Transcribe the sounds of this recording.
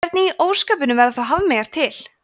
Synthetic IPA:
ɾt̪nɪiʔoːwskaːp̬ɪnʏmvɛɾaθawɦaːvɪmɛɣaɾ̥t̪ʰɪl

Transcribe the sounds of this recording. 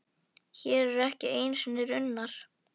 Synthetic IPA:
çɛːɾɛɾɛhcɪeːjnsʏnɪɾʏnːaɾ̥

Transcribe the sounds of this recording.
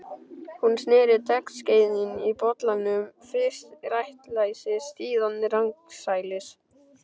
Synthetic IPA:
hunsnɪːɾɪt̪ɛknsceːjðinipɔt̪lanʏmfɾɪst̪rajht̪laːjsɪst̪iːðannɪɾaŋksaːjlɪs

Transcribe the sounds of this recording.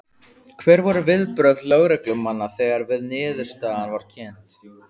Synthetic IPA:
kʰvɛːɾvaɾʏvɪðpɾœðlœɣɾɛklʏmːanːaθɛɣaɾvɪðnɪːðʏɾ̥st̪aːðanvaɾ̥cʰɛnt̪

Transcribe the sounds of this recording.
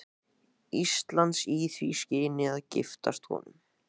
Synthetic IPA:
ist̪lant̪siːθviscɪːnɪaðcɪft̪a̰st̪kʰɔ̰ːnʏm

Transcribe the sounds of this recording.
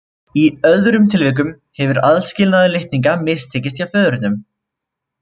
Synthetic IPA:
iœððɾʏmt̪ʰɪlvɪk̬ʏm | hɛvʏɾaðscɪlnaðɪlɪht̪niŋkamɪst̪ʰeːcɪst̪jawfœːðʏɾɪt̪nʏm

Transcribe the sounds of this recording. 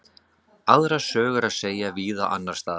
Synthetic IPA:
aðɾasœːɣʏɾaðseːjaviːðaʔa̰nːaɾ̥st̪aːð

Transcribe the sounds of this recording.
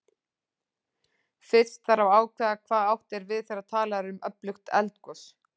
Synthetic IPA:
fɪ̥st̪θaɾawaːwkʰvɛːðakʰvaːðawht̪ɛɾvɪðθejɾat̪ʰaːlaɾʏmœplʏxt̪ɛ̰lt̪kɔs

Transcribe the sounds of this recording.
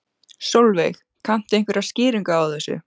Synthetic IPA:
sowlvḛjx | kʰan̥t̪ɪejŋkvɛɾaðscɪːɾiŋkaawθɛsːʏ̰

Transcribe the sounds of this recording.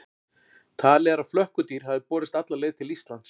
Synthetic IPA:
t̪ʰaːlɛɾḁflœhkʏt̪iːɾ̥havðɪpɔːɾɪst̪at̪laleːjðt̪ʰɪlist̪lant̪s

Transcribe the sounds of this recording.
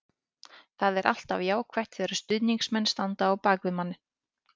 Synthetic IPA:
θaðɛɾʔa̰l̥t̪a̰vjaːwkʰvɛht̪θɛːɾḁst̪ʏðniŋksmɛnst̪ant̪aːwpaːkvɪmanːɪ

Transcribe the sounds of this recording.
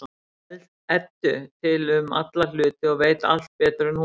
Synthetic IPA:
l | ɛt̪ːʏt̪ʰɪlʏmat̪lal̥ʏːt̪ɪɔɣveːjt̪a̰l̥t̪̚pɛːt̪ɾʏn

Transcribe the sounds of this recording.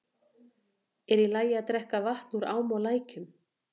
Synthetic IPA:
ɛɾilaːjɪaðt̪ɾɛhkavaht̪nuɾa̰ːwmɔlaːjcʏm

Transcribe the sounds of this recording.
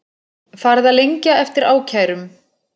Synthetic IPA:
faɾðaðlejɲcaɛft̪ɪɾaːwcʰaːjɾʏm

